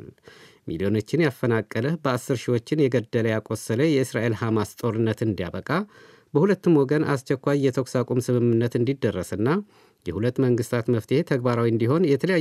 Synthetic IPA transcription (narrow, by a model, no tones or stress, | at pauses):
l | mʔḭlijo̞no̞t͡ʃːɪnjafːənakʼːələhbəasːɨɾʃiwo̞t͡ʃːɪnjɛɡəd̪ːələjakʼosːələjɛɨsɾaʔe̞lhamast̪ʼo̞ɾɨnːət̪ɨnd̪ija̰βəkʼa | bəhulət̪ːɨmwɔɡənʔa̰st͡ʃɛkʷːajːɛt̪ʰəksakʼumsɨmɨmːɨnːət̪ɨnd̪id̪ːərːəsɨnːa | jɛhulət̪ːməŋɡɨst̪ʰat̪məft̪ʰehet̪ʰəɡbaɾawiɨnd̪iɦo̞njɛt̪ʰələja